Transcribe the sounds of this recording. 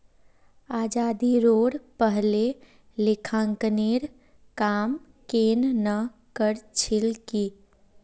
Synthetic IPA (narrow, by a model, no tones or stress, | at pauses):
aːd͡ʒaːd̪iɾoːɽpəɦle | lekʰãŋkneɾ | kaːm | kennə | kəɾt͡ʃʰilki